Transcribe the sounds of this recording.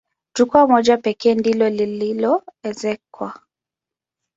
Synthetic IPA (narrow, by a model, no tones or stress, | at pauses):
d͡ʒukuamɔd͡ʒapɛkɛːndilɔlililɔɛzɛkwa